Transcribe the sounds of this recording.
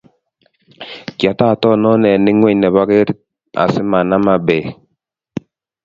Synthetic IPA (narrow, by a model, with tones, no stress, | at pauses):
kja˨ta˦˨tɔ˦˨nɔ˦nɛ˨ni˦ŋwe˦˨nɛ˨βa˦ɡe˦ɾ | a̰˨si˦ma˨na˦ma˦bɛ˨